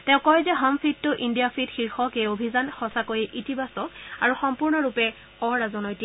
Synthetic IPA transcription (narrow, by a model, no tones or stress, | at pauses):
tɛ̃ʊ̃kɔjzɛɦɔmfit̚tːʊʔindijafʰitxiɹxɔkeobʱizanxɔsakojiʔitibasɔkaɹuxɔmpuɹnɔɹupɛ | ɔɹazɔnɔjti